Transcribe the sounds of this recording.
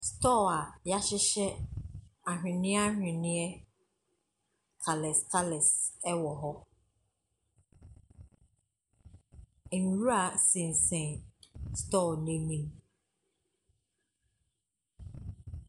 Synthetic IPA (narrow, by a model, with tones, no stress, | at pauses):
stɔ˦˨a˨ja˦ɕɪ˦ɕɛ˦ | a˨ɦᶣɪ̃˨nɪ̃˦a˦ɦᶣɪ̃˨nɪ̃˦ɛ˦ | tʰa˨lɛ˨stʰa˦lɛ˨sɛ˦wɔ˨ɦɔ˦ | e˨ŋ˨ɾu˦a˨sɪ̃˨n̩˨sɛ̃˨stɔ˦˨nẽ˦mĩ˦˨ŋ